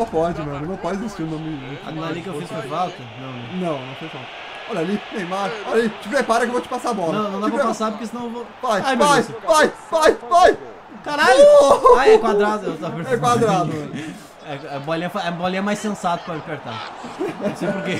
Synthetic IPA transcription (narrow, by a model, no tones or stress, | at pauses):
õpɔd͡ʒɪmẽɾmʊnɐ̃w̃pɔd͡ʒɪɪzist͡ʃiɾʊnõmɪia̰mãnĩkewfisfefawt̪ɐnɐ̃w̃nɐ̃w̃nɐ̃w̃nɐ̃w̃fisfawt̪ɐ̥ | ɔʎalinẽj̃majɔʎɐlit͡ʃɪpɾepaɾɐkewvot͡ʃɪ̥pasabɔlɐɐ̃w̃nɐ̃w̃d̪pɐepasap̬ʊɾkes̬ɪnɐ̃w̃vvajavajsvajvajvaj | kaɾaʎoaɛ̃kwad̪ɾad̪ʊewt̪opeɾɛ̃kwad̪ɾad̪ʊɛ | ɛɛboliɐfaɛ̃boliɐmajsẽsat̪ʊ̥pɾɐlipeɾt̪ã̰ | sejpoɾke